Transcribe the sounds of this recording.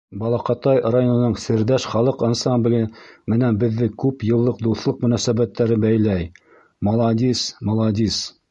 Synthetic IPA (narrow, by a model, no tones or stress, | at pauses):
bɑlˠɑqɑt̪ɑjrajonɤ̆nɤɴsɘ̆ɾd̪æʃχɑlˠɤqɑnsɑmblʲmɘ̆nænbɘ̆ðːɘkʉpjɤ̆lˠːɤqd̪uθlˠɤq̚mɵ̆næsæbæt̪ːæɾɘbæjlæj | mɑlˠɑd̪ʲismɑlˠɑd̪ʲis